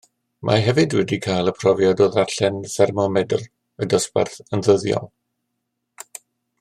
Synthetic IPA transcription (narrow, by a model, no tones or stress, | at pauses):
mʔa̰ɦɛvɨdwɛdikʰajlˠəpʰrɔvjɔdoːðaɬɛnθɛrmɔmɛdʊ̰lˠ | ədɔspa̰rθənðəðjɔ̰lˠ